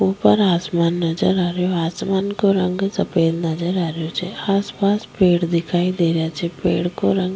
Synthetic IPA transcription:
oːpəɾaːsmaːnːɐd͡ʒəɾaːɾjoaːsmaːnkoɾɐ̃ŋɡsɐpeːlnɐd͡ʒəɾaːɾjot͡ʃʰɛaːspaːspeːɽd̪ɪkʰaːid̪eːɾjat͡ʃʰɛpeːɽkoɾə̃ŋɡ

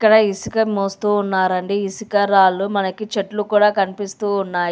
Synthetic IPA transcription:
ikːɐɽɐisi̥kɐmoːst̪uːnːaːɾɐɳɖiisikɐɾaːlumɐnɐkit͡ʃeʈlukuːɽaːkɐnipist̪uːnːaːj

